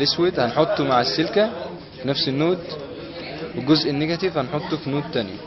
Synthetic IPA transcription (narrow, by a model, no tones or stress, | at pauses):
leswed̪hænħot̪ˤːomaʕesːelkæ | finæfsenːoːd̪ | weɡozʔenːeɡæt̪ifhænħot̪ˤːofinoːd̪̚t̪ænjæ̰